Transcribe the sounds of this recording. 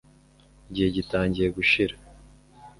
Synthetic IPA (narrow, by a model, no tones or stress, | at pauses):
ɟihe̞ɟitaːɲɟiɾe̞ɡuʃiɾa